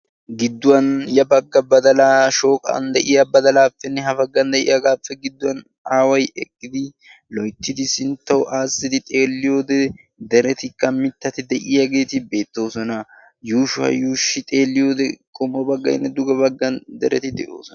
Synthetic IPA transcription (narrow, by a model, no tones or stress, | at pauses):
ɡɪd̪ːʊwɐnjɐbɐɡːɐbɐd̪ɐlaːʃo̞ːkʼɐ̰nd̪ɛʔɪjɐbɐd̪ɐlaːfːɛnːɛɦɐfɐɡːɐnd̪ɛʔɪ̰jɐɡaːfːɛɡɪd̪ːʊwɐn | aːwɐjɛkʼːɪd̪ɪ | lɔjt̪ːɪd̪ɪsɪnt̪ːɐwʊʔaːsːɪd̪ɪt̪ʼe̞ːlːɪjo̞ːd̪ɛ | d̪ɛɾɛt̪ɪkːɐmɪt̪ːɐt̪ɪd̪ɛʔɪjɐɡe̞ːt̪ɪbe̞ːt̪ːo̞ːsɔnɐ | juːʃʊɐ̰juːʃːɪt̪ʼe̞ːlːɪjo̞ːd̪ɛkʼɔmɔbɐɡːɐ̰ɪnːɛd̪ʊɡɐbɐɡːɐnd̪ɛɾɛt̪ɪd̪ɛʔo̰ːsɔnɐ